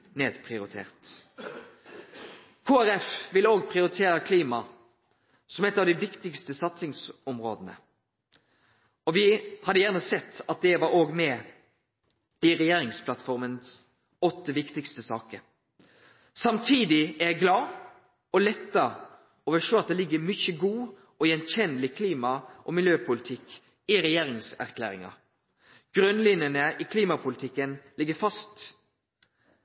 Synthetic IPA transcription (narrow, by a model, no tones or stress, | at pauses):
neːd̪pʰʁɪʊɾɪt̪ʰḛːʁt̪ | kʰoːæɾɛfʋɪloːɡpʰʁɪʊɾɪt̪ʰeːɾəkʰliːmɑ | sɔmɛt̪ːɑʋd̪ɪʋɪkt̪ɪkst̪əsɑt̪sɪŋsɔmʁoːd̪ənə̰ | ɔʋɪhɑd̪əjæʁnəsɛt̪ːɑt̪̚d̪ɛʋɑɾoːɡmɛ | ɪɾɛjeːɾɪŋspʰlɑt̪fɔʁməns | ɔt̪ːəʋɪkt̪ɪkst̪əsɑːkəɾ | sɑmt̪ʰiːd̪ɪæɾjæɪɡlɑː | ɔlɛt̪ːəɾ | oːʋəʂøːɑt̪̚d̪ɛːlɪɡːəmʏçəɡuː | ɔjɛnçɛnəlɪkʰliːmɑʔɔmɪljøːpʰʊlɪt̪ʰɪkː | ɪɾɛjeːɾɪŋsæ̰ɾkʰlæ̰ːɾɪ̰ŋɑ̰ | ɡ̥ɾʉnlɪnjənəʔɪkʰliːmɑpʰʊlɪt̪ʰɪkːənlɪɡːəfɑst̪